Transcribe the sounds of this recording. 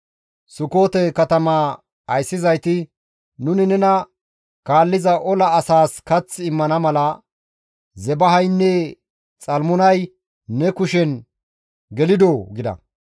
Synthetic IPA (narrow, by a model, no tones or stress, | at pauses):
sʊko̞ːt̪ɛkɐt̪ɐmaː | ɐjsːɪzɐjt̪ɪ | nʊnɪnɛnɐ | kaːlːɪzɐʔɔlɐːsaːskɐt͡sːɪmːɐnɐmɐlɐ | zɛbɐɦɐjnːɛ | t͡sʼɐlmʊnɐj | nːɛkʊʃɛn | ɡɛlɪd̪oːɡɪd̪ɐ̰